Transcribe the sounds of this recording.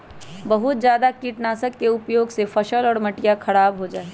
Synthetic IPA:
bɐɦʊt̪d͡ʒjaːd̪akiːʈnaːsəkːeʊpjoːɡsefʰɐʃəlɔːɾmɐʈijakʰɐɽaːbɦod͡ʒaːe

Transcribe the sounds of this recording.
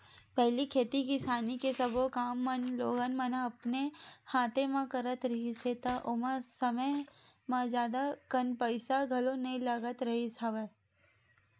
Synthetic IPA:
pɛɦlikʰeːt̪ikɪsaːnikesɐbokaːmːɐnloːɡənmɐnaɐpnehaːt̪emãkɐɾət̪ɾɐɦiset̪aʔʊmãsɐməj | mãd͡ʒjaːd̪akɐnpəɪsaɡʱɐlõnẽlaɡət̪ɾɐɦisʰɐʋə

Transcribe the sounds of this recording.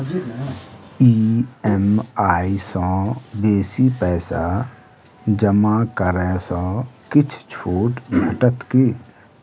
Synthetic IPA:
iːɛmaːisɔ̃ːbeːsipɛːsa | d͡ʒəmakəɾɛ̃sɔ̃ːkɪt͡ʃʰt͡ʃʰoːʈɡʱəʈət̪keː

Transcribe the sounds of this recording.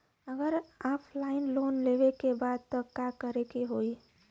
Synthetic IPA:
əɡəɾaːpʰlaːɪnloːnleːʋekebaːd̪̚t̪ɔkjakəɾekeɦoːi

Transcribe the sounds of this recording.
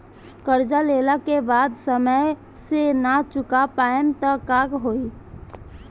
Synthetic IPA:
kəɾd͡ʒalelakebad̪səməj | senat͡ʃʊkapajənt̪əkakɦoi

